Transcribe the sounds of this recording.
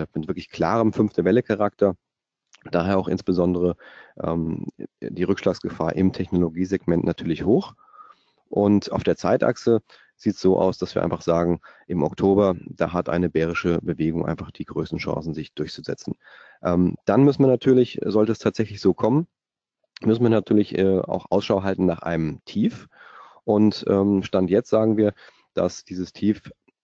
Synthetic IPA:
mɪtv̥ɪɐklɪçkʰl̥a̰ːʁ̞əmfʏnft̩bɛləkʰaʁaktʰɐ | d̥aːɦeːɐaʊxʔɪ̰nsb̥əzɔndəʁ̞əʔɛ̰ːmd̥iːʁʏkʃlaːksɡ̥əfa̰ːɐʔɪmtʰɛçnoloɡiːzɛɡmɛntnʔatʰyːɐlɪçhoːx | ʔʊntʔaʊfd̥eːɐt͡saɪtʔa̰ksə | z̥iːtsz̥oːʔa̰ʊsd̥asv̥iːɐʔaɪfaχz̥aːɡŋ̩ | ʔɪmɔktʰoːbɐd̥a̰ːɦatʔa̰ɪnəbɛːʁ̞ɪʃəbəveːɡʊŋʔa̰ɪnfaχd̥iːɡʁøːstn̩ʃã̰ŋsn̩zɪçd̥ʊɐçt͡suzɛ̰t͡sn̩ | ʔɛːmd̥anmʏsn̩viːɐnatʰyːɐlɪçzɔltəɛstʰaːtz̥ɛçlɪçz̥oːkʰɔmən | mʏsn̩viːɐnatʰyːɐlɪçʔɛːa̰ʊxʔa̰ʊsʃaʊɦaltn̩naːχʔa̰ɪnəmtʰiːf | ʔʊntʔɛːmʃtantjɛt͡stz̥aːɡŋ̩viːɐ | d̥a̰sd̥iːzəstʰiːf

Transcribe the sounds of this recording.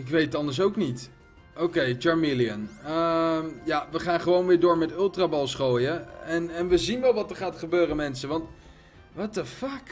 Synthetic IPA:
ɪkʋejtətɑndəɹsowknit | owkejt͡ʃɑɹmiliənəmjaʋəχaːnχəʋownʋɪːɹdʊːɹmɛtølˠtrabɑlˠsχoːjəɛnɛnʋəzinʋɛlˠʋɑtəɹχaːtχəbøːrəmɛnsəʋɑnt | ʋɑtəfak

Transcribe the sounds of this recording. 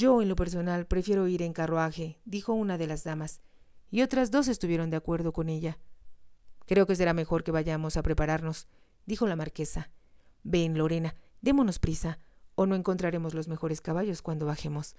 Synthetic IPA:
ɟ͡ʝo̞e̞nlo̞pe̞ɾs̬o̞nalpɾe̞fje̞ɾo̞iɾe̞ŋkaroaxe̞ðixo̞unaðe̞lazðamas | io̞t̪ɾazðo̞s̬e̞st̪uβje̞ɾo̞nd̪eakwe̞ɾð̞o̞ko̞ne̞ʝa | kɾe̞o̞ke̞s̬e̞ɾame̞xo̞ɾke̞βaʝamo̞sapɾe̞paɾaɾno̞s | d̪ixo̞lamaɾke̞sabe̞nlo̞ɾe̞nad̪e̞mo̞no̞spɾisao̞no̞e̞ŋkont̪ɾaɾe̞mo̞zlo̞zme̞xo̞ɾe̞skaβaʝo̞skwand̪oβaxe̞mo̞s

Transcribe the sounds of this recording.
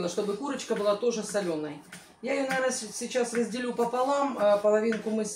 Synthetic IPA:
nəʂt̪o̞bɨkuɾət͡ɕkəbɨlˠat̪o̞ʐɨsɐlʲo̞nːəj | jaɪjonɐvʲrnəsʲɪt͡ɕasrəzʲdʲɪlʲupəpɐlˠampəlˠɐvʲinkʊmɨ

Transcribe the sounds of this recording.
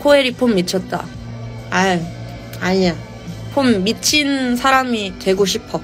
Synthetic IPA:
kʰoeɾipʰomːit͡ɕʰʌt̚t͈a̰ | a | aɲa | pʰomːit͡ɕʰinsʰaɾamitwe̞ɡoɕʰipʰʌ

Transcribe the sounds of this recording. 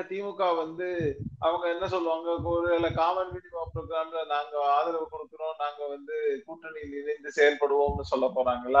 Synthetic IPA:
t̪iːmɯkːaːʋɐnd̪ɯɐʋɐŋɡɐɛnːɐsɔlːɯʋaːŋɡɐkoɾɪelɐkaːmɐnʋiːʈɪʋaːpɪɾoːɡɪɾaːmlɐnaːŋɡɐaːðɪɾɐʋɐkːɔɽɯkːɪɾõːnaːŋɡɐʋɐnd̪ɯkuːʈːɐɳɪlɪnɪnd̪ɯsɛːjɐlpɐɽɯʋoːnɯsɔlːɐpːoːɾaːŋɡɐlɐ

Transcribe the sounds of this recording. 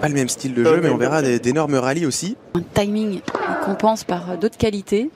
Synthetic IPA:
paləmɛmst̪ild̪əʒømɛɔ̃vɛʁad̪ed̪enɔʁməʁaliosiɛ̃t̪ajmiŋkʰɔ̃pɑ̃spaʁd̪ot̪χkʲalit̪e

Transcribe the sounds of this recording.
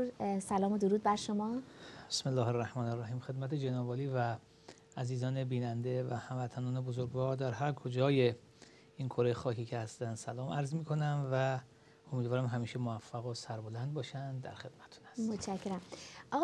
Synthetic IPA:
sælɒːmod̪oɾuːd̪̚bæɾʃomɒːbe̥smelːɒːherːæhmɒːnerːæɦiːmxe̞d̪mæt̪ʰed͡ʒenɒːvɒːliːvæː | ziːzɒːnebiːnænd̪evæhæmvæt̪ʰænɒːne̞bozoɾɡvɒːɾd̪æɾhæɾkʰod͡ʒɒːje̞ | inkʰoɾejexɒːcʰicʰehæst̪ænd̪sælɒːmʔæɾzmiːkʰo̞næmvæ | omiːd̪vɒːɾæmɦæmiːʃemoæfːæɣosæɾbolænd̪̚bɒːʃænd̪d̪æ̰ɾxe̞d̪̥̚mæt̪ʰt̪ʰu̥næsmot̪ʃʰæcʰːeɾæmʔɒɣ

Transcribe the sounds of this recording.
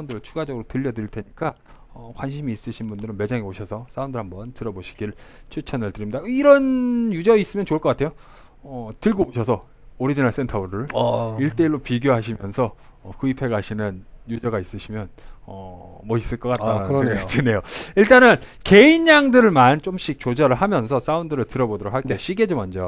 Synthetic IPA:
aundɯɾɯɭt͡ɕʰuɡad͡ʑʌɡɯɾotɯʎːʌdɯɾiɭtʰe̞ɲik͈a | ʌkwanɕʰimiːs͈ɯɕʰinbundɯɾɯnme̞d͡ʑaŋeoɕʰʌsʰʌs͈ʰaundɯɭhambʌntɯɾʌboɕʰi̥ɡ̥iɯɭt͡ɕʰut͡ɕʰʌnɯɭtɯɾimɲidaiɾʌnjud͡ʑʌis͈ɯmjʌnt͡ɕoɭk͈ʌk͈atʰe̞jo | ʌtɯɭɡouɕʰʌsʰʌ | oɾid͡ʑinas͈entʰʌbuɾɯɭiɭt͈e̞iɭːopiɡjoɦaɕ̬ʰimjʌnsʰʌːkɯipʰe̞ɡaɕʰinɯnjud͡ʑʌɡais͈ɯɕʰimjʌnʌmʌis͈ɯɭk͈ʌk͈at͈ːaɯɡet͡ɕɯne̞joiɭt͈anɯnke̞inːaŋdɯɾɯɭmant͡ɕ͈omɕ͈ik̚t͡ɕod͡ʑʌɾɯɭhamjʌnsʰʌs͈aundɯɾɯɭtɯɾʌbodʌɾok̚haɭkk͈eɕ͈iɡed͡ʑimʌnd͡ʑʌ

